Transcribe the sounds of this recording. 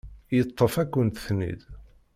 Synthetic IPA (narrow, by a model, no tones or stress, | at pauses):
jət̪ˤːəfækʷːənt̪θnḭd̪